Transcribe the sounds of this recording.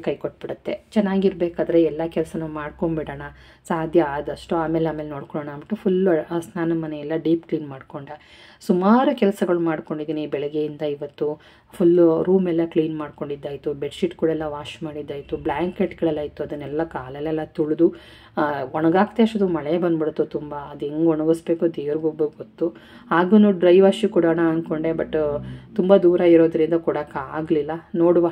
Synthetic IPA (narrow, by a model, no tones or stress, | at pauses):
kɐjkoʈ̚ːbiɽut̪ːet͡ʃɛnːaːɡiɾbeːkaːd̪ɐɾeɛlːɐkɛlɐsɐnumaːɽko̞ɳbiɽaːɳɐ | saːd̪ʱjɐaːd̪ɐʂʈuaːme̞ːlaːmeːleno̞ːɽkoɭoːɳɐmɐʈːupʰulsnaːnɐmɐnejɛlːɐɖiːpkliːnmaːɽko̞ɳɖɐ | sumaːɾukɛlɐsɐɡɐɭumaːɽko̞ɳɖid̪iːnibɛɭɛɡejind̪ɐiʋɐt̪ːu | pʰulɾuːmɛlːɐkliːnmaːɖko̞ɳɖid̪ːaːjt̪ubeʈsiʈkuːɽɐɛlːɐʋaːʃmaːɽid̪ːaːjit̪ublaːŋkeʈɡɐɭɛlːaːjt̪uɐd̪ɐnːɛlːɐkaːlɛlːɛlːɐt̪uɭud̪u | ɔɳɐɡaːɡt̪eɐʂʈɐd̪umɐɭebɐnːbiɽut̪ːut̪umbɐːd̪eŋɡɔɳɐɡɐsbe̞ːkuɐd̪iʋɐɾiɡubɡot̪ːu | ɦaːɡunuɖɾɐjʋaʃikuɽɐɳaːnko̞ɳɖebɐʈːt̪umbɐd̪uːɾɐiɾoːd̪ɐɾind̪ɐkuːɽɐkaaːɡlilːɐnoːɽuʋa